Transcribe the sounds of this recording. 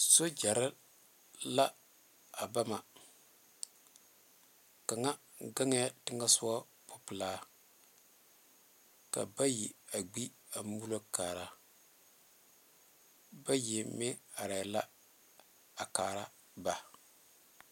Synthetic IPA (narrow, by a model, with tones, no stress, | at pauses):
so˦d͡ʒa˨ɾɪ˦ | la˦ | a˨ba˦ma˨ | ka˨ŋa˦ | ɡa˦ŋ˦a˦tɪ˦ŋa˦sʊ˦a˦ | pʊ˨pɪ˨laː˦ | ka̰˨ba˦ji˨a˨ɡ͡bi˦ | a˨mu˦lo˦kaː˨ɾa˨ | ba˦ji˨mɪ˦a˨ɾa˨la˦ | a˨kaː˨ɾa˦ | ba˨